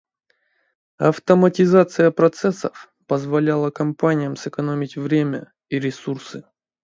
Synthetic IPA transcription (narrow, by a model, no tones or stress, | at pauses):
ɐft̪əmətʲɪzat̪sɨjəpɾɐt̪sɛsəf | pəzvɐlʲalˠəkɐmpanʲɪjəmsɨkɐnomʲɪtʲvɾʲemʲə̰ | iɾʲɪsursɨ